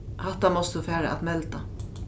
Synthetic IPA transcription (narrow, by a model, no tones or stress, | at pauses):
haht̪ːamɔst̪ufæːɾa̰ʔa̰t̪mɛlt̪a